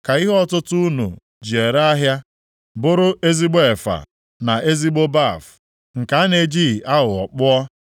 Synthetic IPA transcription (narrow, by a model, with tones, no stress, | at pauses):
ka˨i˦ɦɔ˦tʊ˦tʊ˦u˦nṵ˨ | d͡ʒi˨e˨ɾa˦ɦja˦ | bʊ˦ɾʊ˦e˦zi˦ɡ͡be˦˨fa̰˨ | na˨e˦zi˦ɡ͡bo˦ba˦˨f | ŋ̩˨ka˨a˦ne˨d͡ʒi˦˨a˦ʊ˨ɔ̰˨k͡pʊ˦ɔ˦